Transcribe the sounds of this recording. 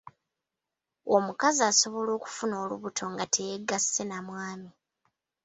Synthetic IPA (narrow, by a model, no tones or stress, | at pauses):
omukaziaːso̞βo̞lo̞ːku̥funo̞ːlṵβutʰo̞ŋɡatʰe̞jeɡase̞namwaːmi